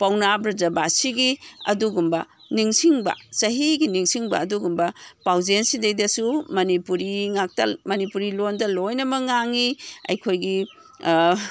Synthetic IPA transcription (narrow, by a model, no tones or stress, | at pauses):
pawnabɾɐzabasiɡiɐ̰duɡumbɐ | niŋsiŋbɐ̰sɐɦiɡiniŋsiŋbɐ̰ːduɡumbɐpawzensidejdɐsumɐnipuɾiŋak̚tɐ̰mɐnipuɾilondɐlojnɐmɐŋaŋiɐ̰jkʰojɡi